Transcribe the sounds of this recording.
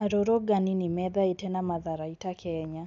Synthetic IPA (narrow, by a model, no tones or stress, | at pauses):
aɾɔɾɔɡaninimɛðaetɛnamaðaɾaitakʰɛɲa